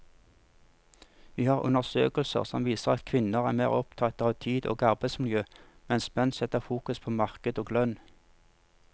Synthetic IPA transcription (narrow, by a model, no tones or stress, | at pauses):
ʋiːhɑːʁʉ̰nəʁsøːkəlsə̰ʁsɔmʋiːsəʁɑt̪kʰʋɪnəʁæːmæ̰ːʁɔpt̪ʰɑt̪əʁɑːʋt̪ʰiːd̪o̰ːɡɑʁbæɪt̪smɪljøːmɛnsmɛnsɛt̪əʁfuːkʉspʰoːmɑʁkəd̪oːɡlœn